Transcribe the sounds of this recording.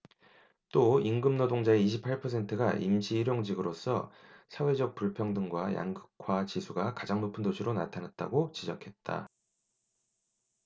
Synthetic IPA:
t͈oiŋɡɯmnodoŋd͡ʑaeiɕʰipʰaɭpʰʌsʰe̞ntʰɯɡaʔḭmɕiːɾjoŋd͡ʑiɡɯɾos͈ʰʌ̰sʰawe̞d͡ʑʌk̚p͈uɭpʰjʌŋdɯŋɡwaja̰ŋɡɯkʰwat͡ɕisʰuɡakad͡ʑaŋnopʰɯndot͡ɕʰuɾonatʰanat̚t͈a̰ɡot͡ɕid͡ʑʌkʰe̞t̚t͈a̰

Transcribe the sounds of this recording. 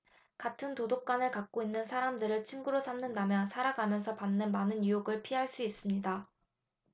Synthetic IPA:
katʰɯntodok͈anɯɭkak̚k͈oinːɯnsʰaɾamdɯɾɯɭt͡ɕʰiŋɡuɾosʰamnɯndamjʌnsʰaɾaɡamjʌnsʰʌpanːɯnmanɯnjujoɡɯɭpʰiɦaɭs͈uis͈ɯmɲida

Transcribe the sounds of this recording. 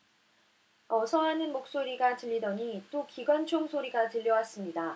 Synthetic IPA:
ʌsʰʌɦanɯnmok̚s͈oɾiɡatɯʎːidʌɲit͈okiɡwant͡ɕʰoŋsʰoɾiɡatɯʎːʌwas͈ɯmɲida

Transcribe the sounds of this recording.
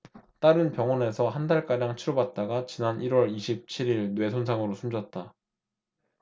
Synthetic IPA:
t͈aɾɯnpjʌŋʌne̞sʰʌɦandaɭk͈aɾjaŋt͡ɕʰiɾobat̚t͈aɡat͡ɕinaniɾwʌɾiɕʰip̚t͡ɕʰiɾiɭnwe̞sʰonsʰaŋɯɾosʰumd͡ʑʌt̚t͈a

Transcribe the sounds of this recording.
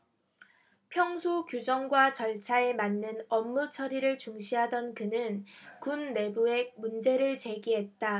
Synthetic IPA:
pʰjʌŋsʰukjud͡ʑʌŋɡwat͡ɕʌɭt͡ɕʰae̞manːɯnʌmːut͡ɕʰʌɾiɾɯɭt͡ɕuŋɕʰiɦadʌnkɯnɯnkunːe̞bue̞mund͡ʑe̞ɾɯɭt͡ɕe̞ɡiɦe̞t̚t͈a

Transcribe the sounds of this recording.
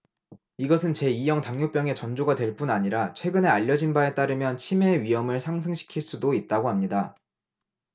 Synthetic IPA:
iɡʌsʰɯnt͡ɕe̞ijʌŋtaŋjop͈jʌŋe̞t͡ɕʌnd͡ʑoɡadwe̞ɭp͈unaɲiɾat͡ɕʰwe̞ɡɯne̞aʎːʌd͡ʑinbae̞t͈aɾɯmjʌnt͡ɕʰime̞ɥiɦʌmɯɭsʰaŋs̬ʰɯŋɕʰi̥kʰiɭs͈udoit̚t͈aɡoɦamɲida

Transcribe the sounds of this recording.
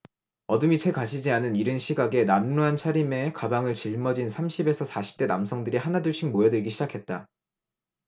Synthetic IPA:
ʌdɯmit͡ɕʰe̞kaɕʰid͡ʑianɯniɾɯnɕʰiɡaɡe̞namnuɦant͡ɕʰaɾime̞kabaŋɯɭt͡ɕiɭmʌd͡ʑinsʰamɕʰibe̞sʰʌsʰaɕʰi̥p̚t͈e̞namsʰʌŋdɯɾihanaduɭɕ͈ʰiŋmojʌdɯɭɡiɕʰid͡ʑakʰe̞t̚t͈a

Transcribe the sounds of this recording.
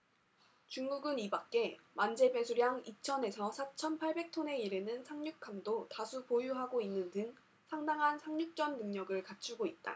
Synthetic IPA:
t͡ɕuŋɡuɡɯnibak̚k͈e̞mand͡ʑe̞be̞sʰuɾjaŋit͡ɕʰʌne̞sʰʌsʰat͡ɕʰʌnpʰaɭbe̞k̚tʰone̞iɾenɯnsʰaŋɲuk̚kʰamdotasʰupojuɦaɡoinːɯndɯŋ | sʰaŋdaŋɦansʰaŋɲuk̚t͡ɕ͈ʌnːɯŋɲʌɡɯɭkat͡ɕʰuɡoit̚t͈a̰

